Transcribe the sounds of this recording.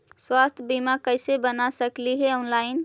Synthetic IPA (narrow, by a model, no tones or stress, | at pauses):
swast̪ʰbimakəɪsebənasəkliɦɛɔnlaɪn